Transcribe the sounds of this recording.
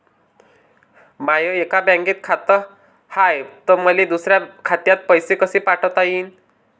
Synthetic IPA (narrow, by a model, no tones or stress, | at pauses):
majəekabjãŋɡeːt̪kʰat̪ə | hajt̪əməlid̪usɾjakʰat̪jat̪̚pəjsekəsiːpaʈʰət̪ajiːn